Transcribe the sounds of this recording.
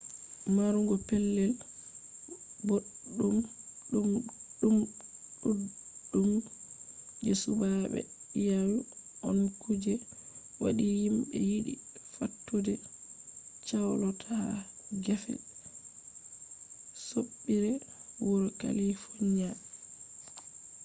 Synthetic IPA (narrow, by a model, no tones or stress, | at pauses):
maɾuŋɡɔpɛlːɛl | boɗːumɗumɗumɗuɗum | d͡ʒɛsubaɓɛ̰jawiʔɔnkud͡ʒɛwaɗihimbɛ̰jiɗḭfatːudɛ | t͡ʃawlɔtʰaɡɛfɛ̰ | soɓːiɾɛ | wɔɾɔka̰lifoɲa